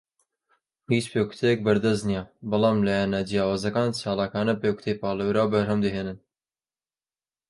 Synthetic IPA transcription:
hiːt͡ʃpeːkʰu̥t̪ʰejɛk̚bɐɾd̪ɐznijɛbɨlɑːmlajɛnad͡ʒijaːwɑːzɐkaːnt͡ʃʰɑːlɑːkɑːnɐpeːkʰu̥t̪ʰejpɑːlɐwɾaːwbɐɾɦɐmd̪ɨɦeːnɨn

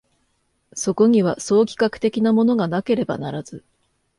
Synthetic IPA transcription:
so̞ko̞ɲ̟iβ̞aso̞ːkʲi̥kakɯ̟̥t̪e̞kʲinamo̞no̞ɡanake̞ɾe̞ba̰naɾaz̥ɨ

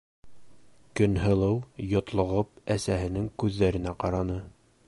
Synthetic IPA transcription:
kɵ̆nɦɤ̆lˠɤwjŏt̪lˠŏʁɤp̚æsæɦɘ̆nɘŋkʉðːæɾɘ̆næqɑɾɑnɤ

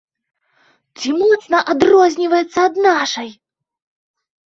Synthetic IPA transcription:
t͡sʲimɔt̪snɐʔad̪rɔzʲnʲivɐjɛt̪sːɐːd̪naʂɐj

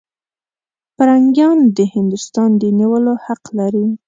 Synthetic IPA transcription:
paɾaŋɡjɑnd̪əhɪnd̪ʊst̪ɑnd̪əniwəlohaqlaɾi

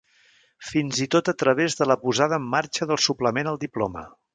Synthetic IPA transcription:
finzit̪ot̪ət̪ɾəβ̞ezðələpuzað̞əːmːaɾt͡ʃəðəlˠsupləmenəlˠd̪iplɔ̰mə̰

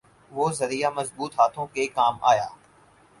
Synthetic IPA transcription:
ʋoːzɐɾijaːmɐzbuːt̪ɦaːt̪ʰõkekaːma̰ːja̰ː

